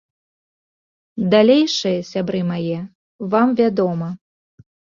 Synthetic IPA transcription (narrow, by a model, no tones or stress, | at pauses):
d̪alʲejʂɨjɐsʲabɾɨmajɛ | vamvʲad̪ɔmɐ